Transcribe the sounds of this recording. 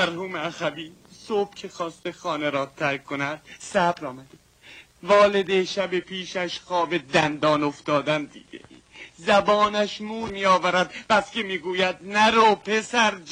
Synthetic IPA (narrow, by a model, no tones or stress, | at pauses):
mæɾhuːmeæxæbiːsob̥̚cʰe̞xɒːst̪exɒːneɾɒːt̪ʰækʰːonæd̪̥sæbɾɒːmæd̪̥e | vɒːle̞d̪eʃæbepʰiːʃæʃxɒːbe̞d̪ænd̪ɒːnoft̪ɒːd̪ænd̪ḭːd̪ḛ | zæbɒːnæʃmuːɾmijɒːvæɾæd̪̚pæscemiːɡuːjæd̪̚næɾoːpʰe̞sæɾd͡ʒ